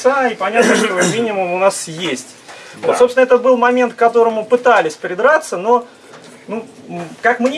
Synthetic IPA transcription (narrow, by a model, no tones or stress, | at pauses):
aipɐnʲat̪nəʐɨlʲvomʲinʲɪmʊmʊnasjesʲtʲvot̪sopsʲnɛt̪əbɨlˠmɐmʲe̞nt̪kːɐt̪o̞ɾəmʊpɨt̪alʲɪsʲpɾʲɪd̪ɾat̪səno̞ | nu | kakmnʲ